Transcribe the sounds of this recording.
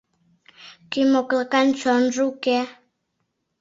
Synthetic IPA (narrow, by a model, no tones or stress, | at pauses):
kimoklkant͡ʃɔnrukɛ